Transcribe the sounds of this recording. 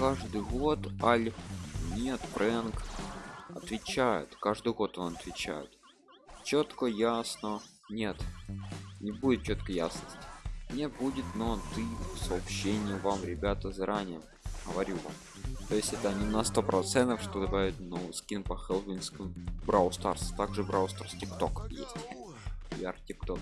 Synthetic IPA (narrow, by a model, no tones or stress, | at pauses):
kaʐd̪ɨjɣo̞t̪alʲnʲet̪bɾʔɛnk | ɐ̰t̪vʲɪt͡ɕæjɪ̰t̪kaʐd̪ɨjɣo̞t̪onɐt̪vʲɪt͡ɕæ̰jɪ̰t̪ | t͡ɕot̪kəjasnə | nʲe̞t̪ | nʲɪbudʲɪt̪̚t͡ɕo̞t̪kəja̰snəsʲtʲɪmnʲebudʲɪt̪not̪ɨsəːpɕːenʲɪjɪvamɾʲɪbʲat̪əzɐɾʔanʲɪjəm | ɣəvɐɾʲuva̰m | t̪ojɪsʲtʲɛt̪əɐnʲɪnɐst̪o̞pɾʔɐt̪sɛnt̪əfʂt̪od̪ɐbavʲɪtʲnovɨjskʲinpəxɛlˠvʲɪnʲskʲbɾaʊst̪arst̪aɡʐɨbɾaʊst̪ərstʲɪkt̪o̞kjḛsʲtʲ | ja̰rtʲɪkt̪ok